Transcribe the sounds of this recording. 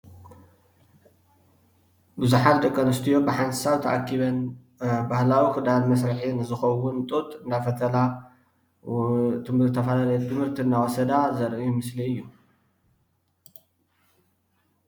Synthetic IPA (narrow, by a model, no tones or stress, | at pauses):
bɨzuħat̪d̪ɐkʼːɐnɨst̪ʰijo̞bɨħanzɨ̥saβt̪ʰɐʔa̰kʰːiβɐn | bahlawikɨd̪almɐs̬ɾɨħinɨzɨxɐwʊnt̪ʼut̪ʼɨnd̪afɐt̪ʰɐla | t̪ʰɨɨt̪ʰːɐfalalɐjot̪ʰɨmhɨɾt̪ʰinːawosɐd̪azɐɾʔujmɨsliɨjːu